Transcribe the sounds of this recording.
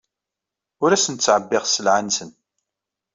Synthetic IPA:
ʊɾæsənt͡sːʕəbːɪʁsəlʕansən

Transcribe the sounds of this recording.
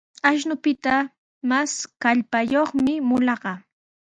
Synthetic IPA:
aʃ̬nʊpɪt̪a | maskaʎpajoχmɪmʊlɑɢɑ

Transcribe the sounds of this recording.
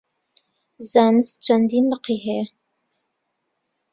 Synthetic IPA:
zaːnɨst͡ʃʰɐnd̪iːnləqiɦe

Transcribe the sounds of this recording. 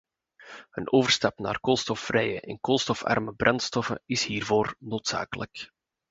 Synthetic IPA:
hənoːvərstɑpnaːrkolˠstɔfrɛjəʔɛnkolˠstɔfɑ̰rməbrʔɑnstɔfə̰ɪshiːrvoːrnoːtsa̰ːkələk

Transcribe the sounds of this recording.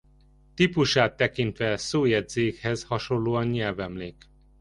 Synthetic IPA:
t̪ipuʃaːt̪ːɛkint̪ʋɛsoːjɛd̪zeːkhɛzhɒʃo̞llːoːɒnɲɛlvɛmleːk

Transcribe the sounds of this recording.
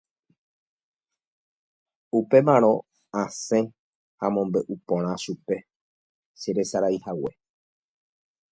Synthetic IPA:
upe̞mãɾ̃õ̞ | ãsẽ | hamõ̞mbe̞ʔupõɾ̃ãʃupe̞ | ʃeɾe̞saɾaihawe̞̰

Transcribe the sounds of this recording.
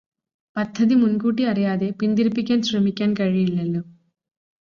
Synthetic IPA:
pɐd̪ʱːɐd̪imunkuːʈiɐɾɐjaːd̪eːpind̪iɾpikːɐnsɾɐmikːɐnkɐɻiiɭːelːu

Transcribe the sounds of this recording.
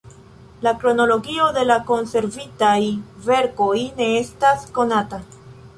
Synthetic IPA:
lakɾo̞no̞lo̞ɡio̞de̞lako̞nse̞ɾvitajve̞ɾko̞jne̞estasko̞nata

